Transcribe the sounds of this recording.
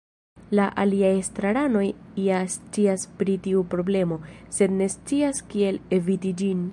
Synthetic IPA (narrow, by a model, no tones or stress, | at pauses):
laʔaliajestɾaɾano̞jiast͡siaspɾitiupɾo̞ble̞mo̞se̞dne̞st͡siaskie̞le̞vitid͡ʒin